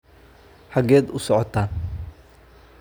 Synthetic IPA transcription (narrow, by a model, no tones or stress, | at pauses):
ħɑɡɛːd̪ʊsɔʕɔt̪ʰaːn